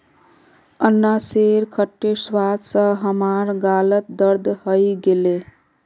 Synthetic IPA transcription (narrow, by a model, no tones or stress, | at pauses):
ənːaseɾkʰəʈːeswad̪sə̃ɦəmaɾɡalət̪̚d̪əɾd̪ʱhəjɡele